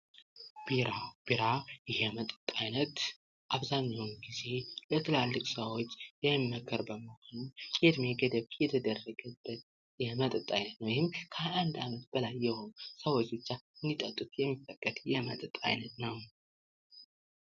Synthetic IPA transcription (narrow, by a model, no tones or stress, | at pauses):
b̥iɾab̥iɾajɪhɛmət̪ʼɨt̪ʼːajnət̪ | ʔaβzaɲːawmɡize̞lət̪ʰɨlalːɨkʼsəwot͡ʃːjɛːəkʰːəɾbəməho̞nukʼed̪meɡəd̪əβjɛt̪ʰəd̪ərːəɡəbːət̪ | jɛmət̪ʼɨt̪ʼajnət̪nəwjhɪmkʰəand̪amət̪̚b̥əlajːɛho̞nusəwot͡ʃbɨt͡ʃːaɨnd̪it̪ʼət̪ʼut̪jɛmːifəkʼːəd̪jɛmə̰t̪ʼɨt̪ʼa̰jnət̪nəw